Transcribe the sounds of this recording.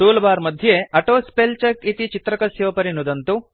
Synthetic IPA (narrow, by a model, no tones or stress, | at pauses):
suːlɐbaːɾmɐd̪ʱjeɐʈoːspelt͡ʃɐkit̪it͡ʃit̪ɾɐkɐsjoːpɐɾinud̪ɐnt̪u